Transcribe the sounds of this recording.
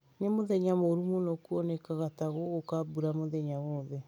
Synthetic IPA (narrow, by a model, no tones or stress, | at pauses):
nemoðɛɲamoɾumonɔkuɔnɛkaɣataɣookabuɾamoðɛɲawɔːðɛ